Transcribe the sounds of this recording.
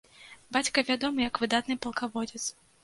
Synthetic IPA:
bat͡sʲkɐvʲad̪ɔmɨjɐkvɨd̪at̪nɨpɐlˠkavɔd͡zʲɛt̪s

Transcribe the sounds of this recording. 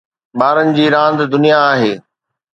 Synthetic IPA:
ɓaːɾənɪ̆d͡ʑiːɾãːnd̪d̪ʊnijaːɦeː

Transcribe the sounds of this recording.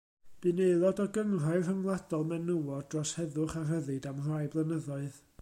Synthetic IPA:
b̥ɨnejlˠɔdɔɡəŋraɨr̥əŋlˠadɔlˠmɛnəwɔddrɔshɛðʊχarəðɨdamrajblˠənəðɔɨð

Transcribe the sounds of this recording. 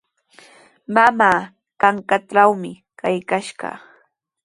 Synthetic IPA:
mamaː | kaŋkaʈ͡ʂawmɪ | kajkaʃɢɑ̰

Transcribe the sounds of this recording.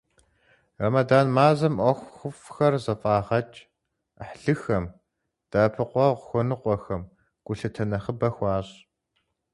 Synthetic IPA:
rɐmɐdaːnmaːzɐmʔʷɔxʷxʷʊfxɐrzɐfʼaːʁɐt͡ʃʼ | ħɬɨxɐm | d̥aːpʰɨqʷɔʁʷxʷɔnɨqʷʼɔxɐm | ɡ̥ʷʼʊɬɐtʰɐnɐχəbɐxʷɑːɕʼ

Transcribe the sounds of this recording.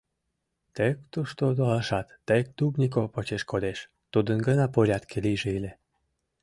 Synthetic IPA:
t̪ekt̪uʃt̪od̪olɑʃɑt̪ːek̚t̪ubnʲik̬opot͡ɕeʃkod̪eʃ | t̪ud̪ənɡənɑpoɾʲɑt̪kʰeliʒeilʲe

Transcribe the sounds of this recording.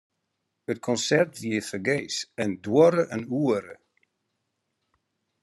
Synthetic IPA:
ət̚kʰɔnsɛrtviəfəɡejsəndwɔɾəʔənuəɾə̰

